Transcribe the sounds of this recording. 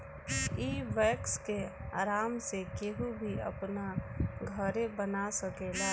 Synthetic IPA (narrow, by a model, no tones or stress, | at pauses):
iːʋɛːkskea̰ːɾaːmsekeɦubʱiɐ̰pnaɡʱəɾebənasəkeːlaː